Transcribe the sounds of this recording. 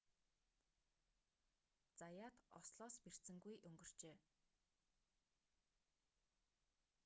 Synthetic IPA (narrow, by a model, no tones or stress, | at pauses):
t͡sajaːt̪ɔsɮɔːsper̥sɘ̆ŋɡujʔɵŋɡɵ̆r̥t͡ɕeː